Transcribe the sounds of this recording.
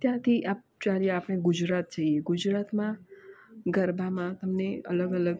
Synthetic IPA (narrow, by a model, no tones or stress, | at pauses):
t̪jãt̪ʰiʔap̚t͡ʃalieapəɽ̃ẽɡʊd͡ʒɾat̪̚d͡ʒaieɡʊd͡ʒɾat̪mã | ɡəɾbʱamãt̪əmneə̰ləɡələɡ